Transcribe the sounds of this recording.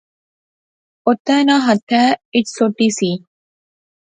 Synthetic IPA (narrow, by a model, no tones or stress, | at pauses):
ot̪ːæːnaːɦɐt̪ʰːæːiʈsoʈːiːsiː